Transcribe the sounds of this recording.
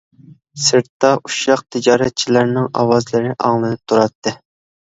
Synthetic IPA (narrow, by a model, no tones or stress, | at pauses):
sɨɾt̪ːɑʔuʃɑq̚t̪ʰɪd͡ʒɑːɾɛt̪̚t͡ʃʰilæɾnɪŋɑ̰wɑzlɨɾɪʔɑŋlˠɨnɨp̚t̪ʰuɾɑt̪ːɨ